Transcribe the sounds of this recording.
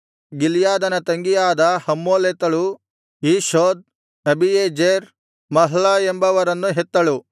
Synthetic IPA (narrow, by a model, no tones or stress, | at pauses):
ɡilijaːd̪ɐnɐt̪ɐŋɡijaːd̪ɐhɐmːoːleːt̪ɐɭu | iːʃoːd̪̚ | nɐbieːd͡ʒeɾ | mɐɦɭɐembɐʋɐɾɐnːuɦet̪ːɐɭu